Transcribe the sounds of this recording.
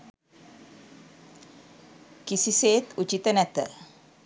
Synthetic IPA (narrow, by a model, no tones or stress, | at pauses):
kisiseːt̪ut͡ʃit̪ənɛt̪ə̰